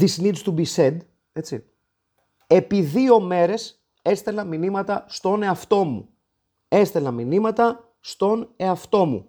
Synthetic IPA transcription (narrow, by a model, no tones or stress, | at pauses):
ðisinit̪ist̪ubised̪ | e̞t͡sḭ | e̞piðio̞me̞ɾe̞s | e̞st̪e̞lɐminimɐt̪ɐst̪o̞ne̞ɐft̪o̞mṵ | e̞st̪e̞lɐminimɐt̪ɐ | st̪o̞ne̞ɐft̪o̞mṵ